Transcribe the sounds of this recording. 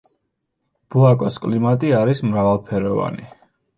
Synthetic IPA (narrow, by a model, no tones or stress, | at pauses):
b̥uakʼɔskʼlimat̪ʼiaɾismɾavalˠpʰɛɾɔva̰ni